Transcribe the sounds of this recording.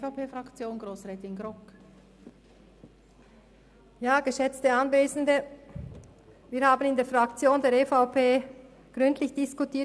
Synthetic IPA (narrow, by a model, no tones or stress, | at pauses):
faʊpʰeːfʁakt͡sjoːnɡʁoːsʁɛːtɪnɡʁɔk | jaːɡəʃɛt͡stəanveːzn̩də | viːɐɾhaːbən̩ɪndeːɐfʁakt͡sjoːndeːɐɾefaʊpʰeː | ɡ̥ʁʏntlɪçd̥ɪskutiː